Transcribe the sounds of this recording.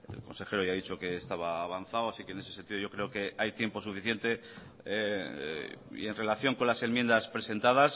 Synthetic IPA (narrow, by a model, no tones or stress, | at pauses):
ḛlko̞nse̞xe̞ɾo̞ʝaðit͡ʃo̞ke̞ːst̪aβ̞aːβ̞anθawasikeːne̞se̞se̞nt̪iðo̞jo̞kɾe̞oke̞ajt̪je̞mpo̞sufiθje̞nt̪e̞ | ḭe̞nre̞laθjo̞ŋko̞nlase̞mjend̪aspɾese̞nt̪að̞as